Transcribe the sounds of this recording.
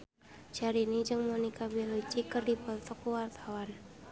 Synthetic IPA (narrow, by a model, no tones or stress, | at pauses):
t͡ʃaɾinid͡ʒɨŋmɔnikabilod͡ʒikɨrdipɔlt̪ɔkuwart̪awan